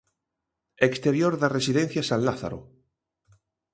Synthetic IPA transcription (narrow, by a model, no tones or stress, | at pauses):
ekst̪eɾjoɾðaresiðen̟θjasãnlaθa̰ɾo̰